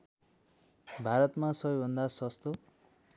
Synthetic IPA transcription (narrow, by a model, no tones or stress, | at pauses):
bʱaɾʌt̪masʌbʌjbʱʌnd̪asʌst̪o